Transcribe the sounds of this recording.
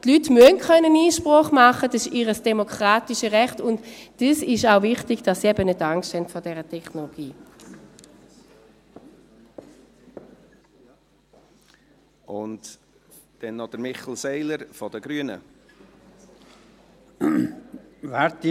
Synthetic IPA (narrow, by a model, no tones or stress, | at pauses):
tlytmyənkʰœnəniːʃpʁɔχmɑχədɑsɪʃiːʁəsd̥ɛmokʁ̥aːtiʃəʁɛχtʊntd̥isɪʃaʊvɪχtɪɡd̥ɑsːiɛbənʏtaŋksthɛntfɔɐdɛːʁətʰɛχnolɔɡ̥iː | ʊnt | d̥ɛnːɔd̪̥əɾmɪχl̩ˠsɛɪləɾfɔd̥əɡ̥ɾyənə̰ | vɛɾt